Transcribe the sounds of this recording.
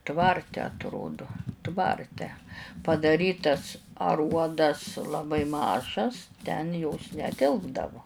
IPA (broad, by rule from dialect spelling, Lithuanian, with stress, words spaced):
ˈtʋɐrʲtʲɛ ɐtˈroːdʊ ˈtʋɐrʲtʲɛ pɐdɐˈrʲiːtɐs ɐˈruɔdɐs lˠɐˈbɐɪ ˈmɑːʒɐs tʲɛn joːs nʲɛˈtʲɪlˠbdɐʋoː